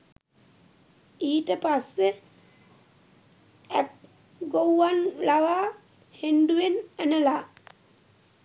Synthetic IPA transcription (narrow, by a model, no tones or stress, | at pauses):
iːʈəpase | æ̰k | ɡowːanlaʋaː | henɖuenænəla